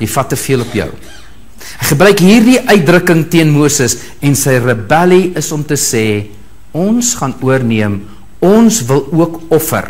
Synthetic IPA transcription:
jəjfɐtːəfiəlˠɔpjœ̰w | ɦɛχəbrœɥkɦiːrdiʔœɥt̚drəkəŋtiənmuəsəs | ɛnsəjrəbæliəsɔmtəsɛː | ɔnsχɑnuərniəm | ɔnsvəlˠuəkɔfə̰r

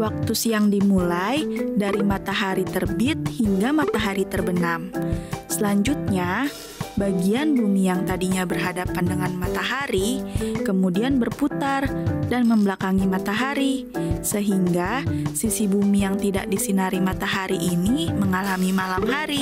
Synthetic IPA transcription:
wak̚t̪usijaŋdimulajdaɾimat̪aɦaɾit̪ərbit̪̚hiŋɡamat̪aɦaɾit̪ərbənamsəlaɲd͡ʒut̪̚ɲa | baɡianbumijaŋt̪adiɲabərɦadapandəŋanmat̪aɦaɾikəmudianbərput̪ardanməmbəlakaŋimat̪aɦaɾi | səɦiŋɡasisibumijaŋt̪ida̰ʔ̚disinaɾimat̪aɦaɾiʔːniməŋalamimalamɦaɾi

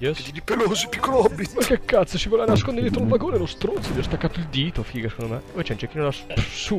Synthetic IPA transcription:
jɛsid̪id̪ipeloːzipikːolɔbːipekːekːat̪sosivɔlanaskond̪ed̪et̪ɾolvaɡoːnelost̪ɾont̪sod̪jɔst̪akːaːt̪oild̪iːt̪ofiːɡasekond̪omepɔjt͡ʃɛnt͡ʃɛk̟ːinolassu

